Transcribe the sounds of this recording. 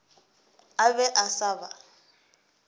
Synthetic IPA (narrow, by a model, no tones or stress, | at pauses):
abɛʔasaːba